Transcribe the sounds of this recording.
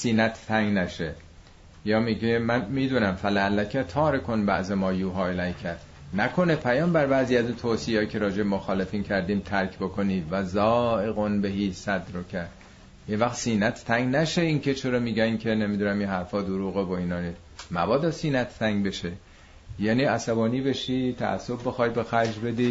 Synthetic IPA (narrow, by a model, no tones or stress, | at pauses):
siːnæt̪ʰt̪ʰæŋɡnæʃe | jɒːmiɟemænmiːd̪uːnæmfælæælːækʰæt̪ʰɒːɾekʰonbæ̰ʔzemɒːjuːɦɒːelæjcʰæd | nækʰo̞nepʰæjɒːmbæɾbæːziːæzuːnt̪ʰoːsiɑːcʰe̞ɾɒːd͡ʒebemoxɒːle̞fiːncʰæɾd̪iːmt̪ʰæɾkʰbokʰoniːd̪væzɒːʔe̞ɣonbeɦiːsæd̪ɾocʰæɾd̪ | jevæxt̪siːnæt̪ʰt̪ʰæŋɡnæʃeiːncʰe̞t͡ʃʰe̞ɾɒːmiːɡæŋkʰe̞ne̞mid̪uːnæminhæɾfɒːd̪oɾuːɣevoiːnɒːniːs | mæbɒːd̪ɒːsiːnæt̪ʰːæŋɡbe̞ʃe | jæːniæsæbɒːniːbe̞ʃit̪ʰæ̰ʔæ̰sːobbe̞xɒjbe̞xæɾd͡ʒbe̞d̪i